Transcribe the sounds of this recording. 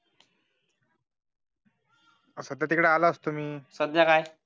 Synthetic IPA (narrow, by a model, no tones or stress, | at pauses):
əsəd̪jat̪ikɽaalaəst̪um̤iːsəd̪jakaj